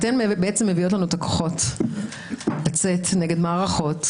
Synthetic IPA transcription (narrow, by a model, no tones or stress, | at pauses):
t̪embeet͡semːevio̞t̬lanuet̪akʰo̥χo̞t | lat͡setneɡe̞dmaːʁaχo̞t